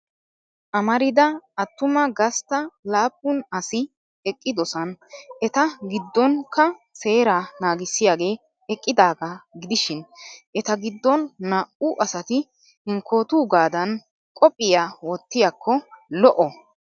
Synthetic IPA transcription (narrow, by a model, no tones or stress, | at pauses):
ʔɐmɐɾɪd̪ɐɐt̪ːʊmɐɡɐst̪ɐlaːpːʊnɐsɪ | ɛkʼːɪd̪ɔsɐnʔɛt̪ɐɡɪd̪ːɔnkɐse̞ːɾanaːɡɪsːɪjaːɡe̞ː | ɛkʼːɪd̪aːɡɐɡɪd̪ɪʃɪnʔɛt̪ɐɡɪd̪ːɔnːaːʔuʔɐsɐt̪ɪ | hɪŋko̞ːt̪uːɡaːd̪ɐn | kʼɔpʼːɪjaːwɔt̪ːɪjakʰːɔlɔʔɔ